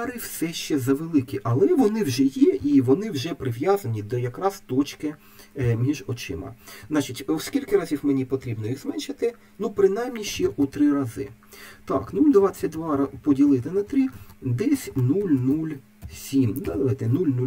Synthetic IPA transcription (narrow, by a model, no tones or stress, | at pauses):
ɾɪwsɛʃt͡ʃɛzɐʋelˠɪkʲiʔɐlˠɛʋɔnɪwʒɛjɛʔiʋɔnɪwʒɛpɾɪʋjɑzɐnʲid̪ɔjɐkɾɑst̪ɔt͡ʃkɪ | mʲiʒɔt͡ʃɪ̰mɐ̰zɑt͡ʃitʲwskʲilʲkɪɾɑzʲiwmenʲipɔt̪ɾʲibnɔjiɣzmɛnʃɪt̪ɪ | nupɾɪnɑjmnʲiʃt͡ʃɛʔut̪ɾɪɾɑzɪ̰ | t̪ɑ̰knulʲd̪ʋɑt͡sʲːɐt̚ʲd̪ʋɑpɔdʲilˠɪt̪ɪnɐt̪ɾid̪ɛsʲnulʲnulʲ | sʲimd̪ɛd̪ɐʋajt̪ɛnulʲnu